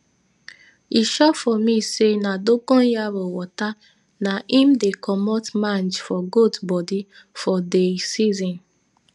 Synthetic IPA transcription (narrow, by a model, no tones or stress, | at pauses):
iʃɔfɔmĩsenadokɔ̃njaɾɔwɔta | naʔĩmdekʰɔmɔtmãnd͡ʒfɔɡodbɔdi | fɔdesizɔ̃n